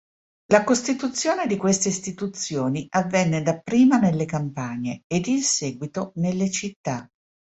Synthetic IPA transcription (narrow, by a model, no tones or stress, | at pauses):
lakost̪it̪ut̪sːjoːned̪ikwest̪eist̪it̪ut̪sːjoːniavːɛnːed̪apːɾiːmanelːekampaɲeːd̪insɛːɡwit̪onelːet͡ʃit̪ːa